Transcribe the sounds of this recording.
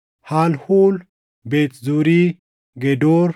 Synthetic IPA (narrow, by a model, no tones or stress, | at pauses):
haːlhuːl | beːt̪zuːɾiː | ɡɛd̪oːɾ